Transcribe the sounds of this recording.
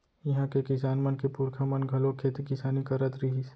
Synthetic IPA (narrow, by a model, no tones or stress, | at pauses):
jɐɦãkekɪsaːnmɐnkepuɾkʰamɐnɡʱɐlokʰeːt̪ikɪsaːnikɐɾət̪ɾiɦis